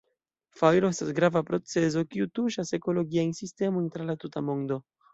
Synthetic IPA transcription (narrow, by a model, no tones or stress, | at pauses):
fajɾo̞e̞stasɡɾavapɾo̞t͡se̞zo̞kiutuʃase̞ko̞lo̞ɡiajnsiste̞mojntɾalatutamo̞ndo̞